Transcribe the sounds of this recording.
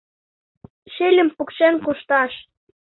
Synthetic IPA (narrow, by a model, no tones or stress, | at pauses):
ʃelʲə̆mpukʃenkuʃt̪ɑʃ